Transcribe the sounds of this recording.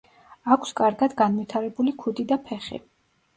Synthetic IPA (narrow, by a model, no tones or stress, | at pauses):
akʰskʼaɾɡad̪ɡanvit̪ʰaɾɛbulikʰud̪id̪apʰɛχḭ